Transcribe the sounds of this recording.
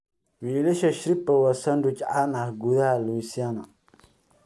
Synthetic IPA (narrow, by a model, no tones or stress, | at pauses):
wileʃaʃɾipawasandut͡ʃaʔanahɡuðaluisjana